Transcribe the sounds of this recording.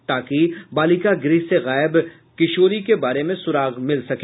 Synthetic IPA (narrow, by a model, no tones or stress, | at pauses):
t̪aːkibaːlikaɡɾiːseɣɛːɪb | kɪʃoːɾikebaːɾemẽsʊɾaːɣmɪlsɐke